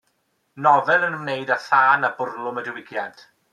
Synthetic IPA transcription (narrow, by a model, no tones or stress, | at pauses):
nɔvɛlˠənəmneɨdaθaːnabʊrlˠʊmədɪwɪɡjant